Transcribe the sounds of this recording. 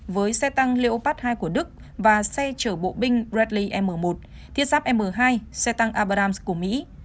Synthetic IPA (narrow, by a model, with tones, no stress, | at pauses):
vəː˨˦jsɛ˧t̪a˧ŋle˧ʔo˧paː˦˥t̚haː˧jku˧˩əɗɨ˦˥k̚ | vaː˨˩sɛ˧t͡ɕəː˧˩ɓo̰˧˨ɓï˧ŋ̟zɛ˦˥t̚li˧ʔɛ˧mːəː˨˩mo˨˩t̚ | t̪ʰi˦˥ət̚saː˦˥p̚ʔɛ˧mːəː˨˩ɦaː˧jsɛ˧t̪a˧ŋʔaː˧ɓa˧ɾaː˧msku˧˩əmḭ˧˥